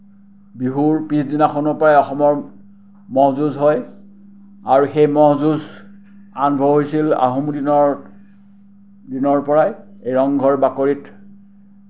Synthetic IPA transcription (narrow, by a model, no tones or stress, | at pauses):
biɦuɹpisdinaxʰɔnɔpɔɹajɔxɔmɔɹ | mɔɦzuzɦɔj | aɹuxejmɔɦzuz | anbʱɔɦojsila̰ɦumdinɔɹ | dinɔɹpɔɹaj | ejɔŋɡʱɔɹbakoɹit